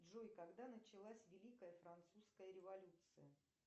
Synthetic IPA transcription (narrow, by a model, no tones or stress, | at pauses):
ʐojkɐɡd̪anət͡ɕɪlˠasʲvʲɪlʲikəjəfɾɐnt̪suskəjəɾʲɪvɐlʲut̪sɨjə